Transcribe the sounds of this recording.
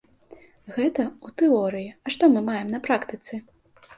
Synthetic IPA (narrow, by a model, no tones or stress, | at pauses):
ɣɛt̪ɐut̪ɛɔɾɨjiɐʂt̪ɔmɨmajɛmnɐpɾakt̪ɨt̪sɛ